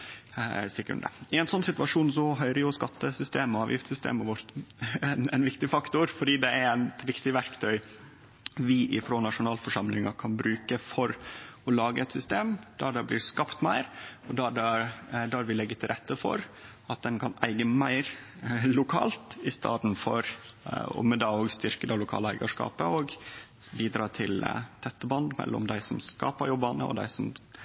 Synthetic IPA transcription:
sikɾʉ̰nd̪ə̰ɪɛɪnsɔnːsɪt̪ʋɑʂuːnsɔɦœʏɾəjʊskɑt̪ːəsʏst̪eːməɑːʋjɪ̰ft̪sʏst̪ḛːməʋɔɾt̪nɛnʋɪkt̪ɪfɑkt̪ʊɾfɔɖiːd̪ɛæɾæt̪ʋɪkt̪ɪʋæɾkt̪ʰœʏ | ʋɪʔɪfɾoːnɑʂʊnɑːlfɔʂɑmlɪŋɑkʰɑnbɾʉːkəfɔɾɔlɑːɡə̰ɛt̪sʏst̪eːmd̪̥æɖ̪ɛblɪɾskɑpt̪mæɪɾɔd̪ɑɖæd̪æɾʋɪlɛɡːət̪ʰɪlɾʔɛt̪ːəfɔ̰ɾ | ɑt̪̚d̪ɛnkʰɑnæ̰ɪɡəmæɪɾ | lʊkʰɑ̰ːlt̪ɪst̪ɑ̰ːt̪nfɔ̰ɾɔ̰mɛd̪ɑːoːɡst̪ʏɾkəd̪ɛlʊkʰɑ̰ːləæɪɡɑʂkɑ̰ːpəoːɡ | biːd̪ɾɑːt̪ʰɪlt̪ʰɛt̪ːəbɑnd̪mɛ̰lːɔ̰md̪æɪsɔmskɑ̰ːpəɾjɔbːɑnə̰ɔ̰d̪æ̰ɪsɔm

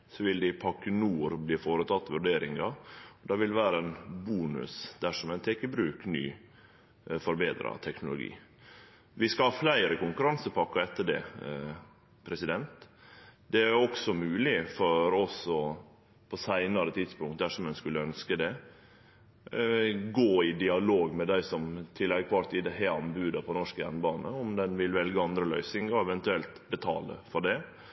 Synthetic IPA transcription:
sɔʋɪld̪ɪpʰɑkːənuːɾbliːfoːɾət̪ʰɑt̪ːʋʉɖeːɾɪŋɑɔd̪ɑːʋɪlʋæːɾəɛnbuːnʉ̰sd̪̥æʂɔmɛnt̪ʰɛkəbɾʉːkny̰ː | fɔɾbeːd̪ɾɑ̰t̪ʰɛknʊlʊ̰ɡḭː | ʋɪskɑhɑflæɪɾəkʊŋkʉɾɑnsəpʰɑkːɑɛt̪ːəɖɛ̰ | pʰɾɛsɪd̪ɛnt̪d̪ɛæɾɔksɔmʉːlɪfɔɾɔsɔ | pʰɔsæɪnɑɾət̪ʰid̪spʊŋkt̪̚d̪æʂɔmɛnskʉlːəœnskəd̪ɛ | ɡoːɪd̪ɪɑloːɡmɛd̪æɪsɔmt̪ʰɪlːɛɡkʰʋɑɾt̪ʰiːd̪ɛɦɛɑnbʉːd̪ɑpʰɔnɔʂkəjæ̰nbɑːnə̰ɔmd̪ɛnʋɪlʋɛlɡəɑnd̪ɾəlœʏsɪŋɔɛʋɛnt̪ʉɛlt̪bət̪ʰɑ̰ːlə̰fɔɖɛ

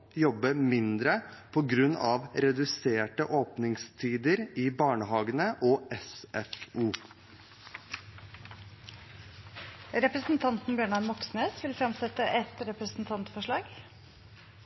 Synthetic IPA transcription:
jɔbːəmɪnd̪ɾəpʰɔɡɾʉnːɑʋɾɛd̪ʉseːʈəʔoːpnɪŋst̪ʰiːd̪əɾiːbɑːɳəɦɑːɡənəʔɔːʔɛsɛfuː | ɾɛpɾəsn̩t̪ʰɑnt̪n̩bjøːɳɑnmɔksneːsʋɪlfɾɑmsɛt̪əʔɛt̪ɾɛpɾəsn̩t̪ʰɑnt̪fɔʂɭɑːɡ

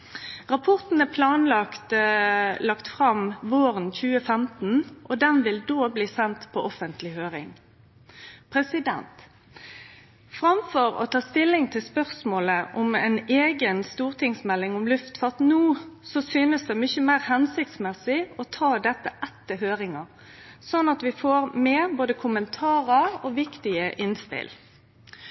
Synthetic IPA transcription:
ʁɑpʰɔʁt̪n̩æpʰlɑːnlɑkt̪ | lɑkt̪fʁɑmʋoːɾənçʉːəfɛmt̪n̩ʔɔd̪ɛnʋɪld̪oːbliːsɛnt̪pʰɔʔɔfənt̪lɪhøːɾɪ̰ŋ | pʰɾɛsɪd̪ɛ̰nt̪ | fʁɑmfɔɾɔ̰t̪ʰɑːst̪ɪlːɪŋt̪ʰɪlspœʁsmoːləʔɔmɛneːɡənst̪uːʁt̪ʰɪŋsmɛlːɪŋɔmlʉft̪fɾɑt̪nuːsɔsyːnəsd̪ɛmʏçəmæɪʁhɛnsɪk̚t̪smɛsɪɔt̪ʰɑːd̪ɛt̪ːəʔɛt̪ːəɦøːɾɪŋɑ | sɔnːɑt̪ʋɪfoːɾmeːboːd̪əkʰʊmənt̪ʰɑːɾəɔʋɪkt̪ɪəʔɪnspɪ̰l

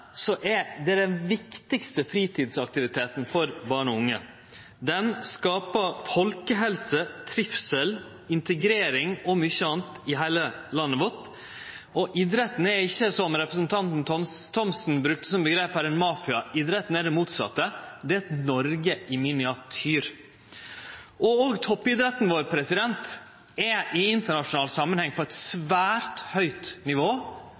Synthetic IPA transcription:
sɔʔɛd̪ɛæɖɛnʋɪkt̪ɪkst̪əfɾiːt̪ʰiːd̪sɑk̚t̪ɪʋɪt̪ʰeːt̪n̩fɔɾbɑːɳɔʊŋːə | d̪ɛnskɑːpəfɔlkəɦɛlsət̪ʰɾɪfsəl | ɪnt̪əɡɾeːɾɪŋɔmʏçːəɑːnt̪ɪɦæɪlə | lɑnːəʋɔʈ̪ | ɔʔiːd̪ɾət̪n̩ɛɾɪçːəsɔmɾɛpɾəsnt̪ʰɑnt̪n̩t̪ɔt̪ʰɔmsn̩bɾʉk̚t̪ə̥sɔmbəɡɾeːphæɾɛnmɑːfɪɑʔid̪ɾɛt̪n̩ɛd̪ɛmuːt̪sɑ̰t̪ːəd̪ɛæɛt̪nɔɾɡəʔɪmɪnɪɑt̪ʰyːɾ | ʔɔoːɡt̪ʰɔpːɪd̪ɾɛt̪nʋoːɾpʰɾɛsɪd̪ɛnt̪ | ɛʔɪɪnt̪əɳɑʂʊnɑːlt̪sɑmənhɛŋpʰɔɛt̪sʋæːɾt̪hœʏt̪nɪʋoː

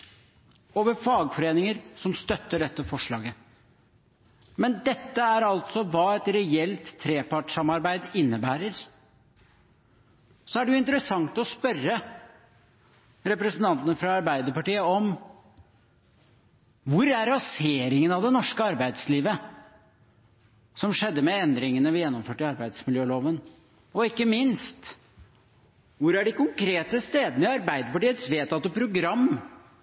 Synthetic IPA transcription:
oːʋəɾfɑːɡfɔɾeːnɪŋəɾsɔmst̪œt̪ːəɖɛt̪ːəfɔʂɭɑːɡə | mɛnd̪ɛt̪ːəæɾɑlt̪sɔʋɑːɛt̪ɾɛɛlt̪ʰːɾeːpʰɑʈʂɑmɑɾbæɪd̪ɪnːəbæːɾəɾ | sɔæɖɛjʊɪnt̪əɾəsɑŋt̪ɔspœrə | ɾɛpɾɛsnt̪ʰɑnt̪ənəfɾɑɑɾbæɪd̪əɾpɑʈiːəɔm | ʋʊɾæɾːɑseːɾɪŋənɑʋd̪ɛnɔʂkəɑɾbæɪd̪sliːʋə | sɔmʂɛd̪ːəmɛɛnd̪ɾɪŋənəʋɪjɛnːɔmføːʈɪɑɾbæɪd̪smɪljøːloːʋən | ɔɪkːəmɪnst̪ | ʋʊɾæɖɪkʊŋkʰɾeːt̪əst̪eːd̪ənəɪɑɾbæɪd̪əɾpɑʈiːət̪sʋeːt̪ɑt̪̚d̪ɛpʰɾʊɡɾɑmː

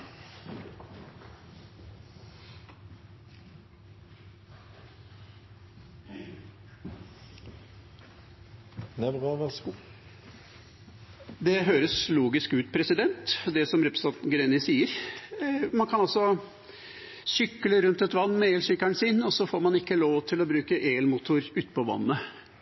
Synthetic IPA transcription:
nɛʁɑʋɛs | d̪ɛɦøːɾəsluːɡɪskʉːt̪̚pʰɾɛsɪd̪ɛnt̪d̪ɛsɔmɾɛpɾɛsɑnt̪ɡɾeːnəsiːəɾ | mɑnkʰɑnɑlsɔ | sʏkːləɾʉnt̪ɛt̪ʋɑnːmɛeːlsʏkːæɳsɪnɔsɔfoːɾmɑnɪkːəloːʋt̪ʰɪlɔbɾʉːkəʔeːlmuːt̪ʰʊɾʉːt̪ə̥pʰɔʋɑ̰nːə

